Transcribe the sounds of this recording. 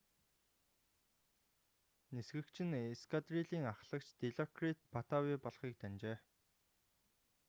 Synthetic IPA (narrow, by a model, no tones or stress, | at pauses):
nesɡɘ̆kt͡ɕʰɪ̆neskʰat̪riɮiːŋaχɮə̆kt͡ɕt̪eɮɔkrit̪̚pʰat̪awipɔɮχiːk̚t̪ant͡ɕeː